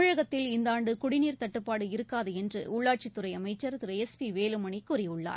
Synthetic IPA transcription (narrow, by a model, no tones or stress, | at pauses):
ɻɐɣɐt̪ːɪlɪnd̪aːɳɖɯkʊɽɪniːɾt̪ɐʈːɯpːaːɽɯɪɾɯkːaːðɯɛndrɯʊɭːaːʈ̚t͡ʃit̪ːɯɾɐɪɐmɐɪt͡ʃːɐɾt̪ɪɾɐɛspiʋeːlɯmɐɳɪkːʊrɪjʊɭːa̰ː